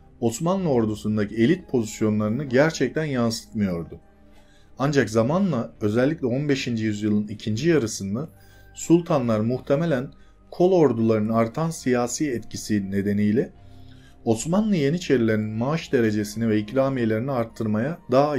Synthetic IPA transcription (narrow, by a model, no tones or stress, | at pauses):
o̞smanlˠɯo̞ɾd̪usund̪acʰie̞lʲit̪̚pʰo̞zisjo̞nlˠaɾɯnɯɟæɾt͡ʃʰɛc̚t̪ʰænjansɯ̥t̪mɯjo̞ɾd̪ʊ | and͡ʒakzamanlˠaø̞zɛlʲːiclʲɛo̞nbe̞ʃind͡ʒijyzjɯlˠɯnicʰind͡ʒijaɾɯsɯnd̪a | sulˠt̪ʰanlˠaɾmuxt̪ʰe̞me̞lʲæn | kʰo̞lˠo̞ɾd̪ulˠaɾɯnɯaɾt̪ʰansijaːsiːɛt̪cʰisine̞d̪e̞nijlʲɛ | o̞smanlˠɯje̞nit͡ʃʰe̞ɾilʲe̞ɾinmaaʃd̪e̞ɾe̞d͡ʒe̞sinivɛicɾaːmijelʲe̞ɾiniaɾt̪ʰːɯɾmajad̪aɦa